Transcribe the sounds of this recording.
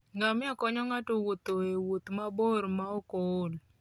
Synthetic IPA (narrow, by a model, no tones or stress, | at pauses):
ŋamɪakɔɲɔŋatowot̪oewot̪maboɾmaɔkol